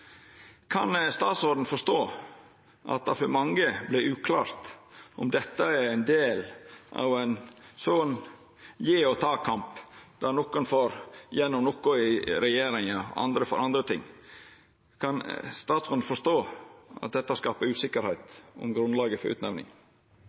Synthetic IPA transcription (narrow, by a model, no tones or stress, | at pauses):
kʰɑnst̪ɑːt̪sɔd̪n̩fɔʂt̪oː | ʔɑ̰t̪̚d̪ɑfɔɾmɑŋəblɪʔʉːkʰlɑːɾt̪ɔmd̪ɛt̪ːəæɾæɪnd̪eːlʔɑ̰ʋɛɪnsɔn | jeːɔt̪ʰɑːkʰɑmpd̪̥ɑnɔkːʊnfoɾjɛnːɔmnɔkːʊɪɾɛjeːɾɪŋəʔɑ̰nd̪ɾəfɔɾʔɑnd̪ɾət̪ʰɪ̰ŋː | kʰɑnst̪ɑːt̪sɔd̪n̩fɔʂt̪oːʔɑ̰t̪̚d̪ɛt̪ːəskɑːpəɾʉːsɪkːəɾhæɪt̪ɔ̰mɡɾʉnlɑːɡəfɔɾʉ̰ːt̪nɛʋnɪ̰ŋ